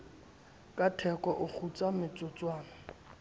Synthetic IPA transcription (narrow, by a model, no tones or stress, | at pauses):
kʼatʰɛkɔʔʊk͡xʰut͡samɪt͡sʼʊt͡sʼwaːnɔ